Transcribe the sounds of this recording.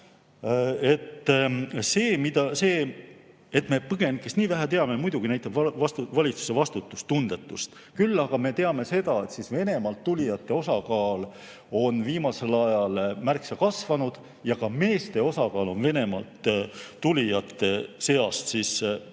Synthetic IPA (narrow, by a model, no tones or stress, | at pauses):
e̞t̪ːse̞ːmid̪ɑse̞ː | et̪ːˑme̞pɤɡ̥e̞nkesniːvæɦæt̪e̞ɑmemujd̪̥uɡ̥inæjt̪ːˑɑbvɑɑvɑlʲit̪su̥se̞vɑst̪ut̪ːˑust̪und̪̥e̞t̪ːˑust̪ | kylːɑɡ̥ɑme̞t̪e̞ɑme̞se̞d̪̥ɑe̞t̪sisve̞ne̞mɑlt̪ːulʲijɑt̪ːˑe̞o̞sɑkɑːl | o̞nviːmɑse̞lɑjɑlmærksɑkɑsvɑnud̪̥ | jɑkɑme̞ːst̪e̞o̞sɑkɑːlo̞nve̞ne̞mɑ̰lt̪ːulʲijɑt̪ːe̞se̞ɑst̪sis